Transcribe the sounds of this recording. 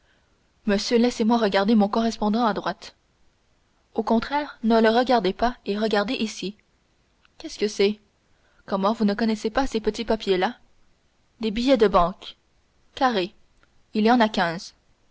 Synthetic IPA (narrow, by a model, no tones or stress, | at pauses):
məsjølɛsemwaʁəɡʲaʁd̪emɔ̃kɔʁɛspɔ̃d̪ɑ̃ad̪ʁwat̪ | okɔ̃t̪χɛːʁnələʁəɡaʁd̪epaeʁəɡaʁd̪eʔisi | kʲɛskəsɛ | kɔmɑ̃vunəkɔnɛsepasepət̪ipapʰjela | d̪ebijɛd̪əbɑ̃ːkː | aʁe | ilijɑ̃nakʲɛ̃z̥